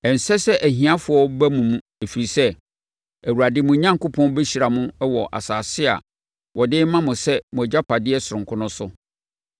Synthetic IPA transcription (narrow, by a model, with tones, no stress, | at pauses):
ɛ˨n̩˨sɛ˦sɛ˦ʔæ˨ɦĩ˨ã˦fʊ˨˦ɔ˦bæ˦mũ˨mũ˦ | e˨fi˨ɾi˨sɛ˦ | æ˨wu˨ɾa˨dɪ˦mʊ̃˨˦ɲã˦ŋko˦pʰɔ̃˦n˦bɛ˦ɕi˨ɾa˨mʊ̃˦wɔ˨ʔa̰˨saː˨sɪ˦a̰˨ | wʔɔ˨dɪ˦mã˦mʊ̃˨sɛ˦mʊ̃˨æ˨d͡ʑa˦pʰa˨dɪ˦ɛ˦sʊ˨ɾʊ̃˨ŋ˨kʰʊ˦nʊ̃˦sʊ˦